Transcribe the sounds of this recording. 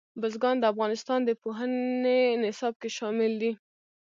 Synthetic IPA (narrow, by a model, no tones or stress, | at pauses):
bʊzɡɑnd̪əafɣɑnɪst̪ɑnd̪əpoɦənenɪsɑb̚keʃɑmɪld̪i